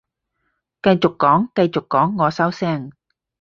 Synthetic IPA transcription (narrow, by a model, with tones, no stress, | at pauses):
kɐ˧jt͡sʊ˨˩kːɔː˨˥ŋkɐ˧jt͡sʊ˨˩kːɔː˨˥ŋːɔː˨˧sɐ˥wsɛː˥˩ŋ